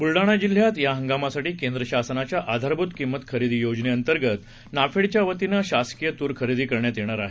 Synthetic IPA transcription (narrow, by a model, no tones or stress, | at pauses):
bulɖaɽ̃ad͡ʑil̤jat̪jaɦəŋɡamasaʈiːkend̪ɾəɕasnat͡ɕjaʔad̪ʱaɾbʱut̪kimːət̪kʰəɾid̪iːjod͡ʑneənt̪əɾɡət̪ | nafeɽt͡ɕjaʋət̪inaɕaskijət̪uːɾkʰəɾid̪iːkəɾɳjat̪jeɽ̃aɾaɦe